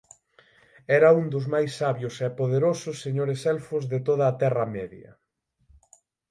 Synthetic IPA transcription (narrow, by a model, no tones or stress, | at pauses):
ɛɾɐund̪ʊzmajsːaβjʊsɛpoðeɾosʊsːeɲoɾesɛlfʊzðet̪oðɐːt̪ɛrɐmɛðjɐ̰